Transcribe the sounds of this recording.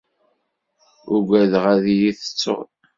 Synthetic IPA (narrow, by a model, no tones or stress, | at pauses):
ʊɡʷæðʁæðijiθə̥t͡sːo̰ʁl